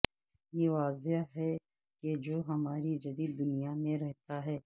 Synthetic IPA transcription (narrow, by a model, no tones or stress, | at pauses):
jeʋaːzeɦɛ | ked͡ʒoːɦɐmaːɾid͡ʒɐd̪iːd̪ːʊnijamẽɾɛɦt̪aɦɛː